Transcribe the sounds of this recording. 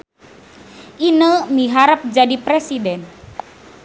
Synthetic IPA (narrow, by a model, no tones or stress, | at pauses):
ʔinəmiɦaɾəp̚d͡ʒadipɾesidɛn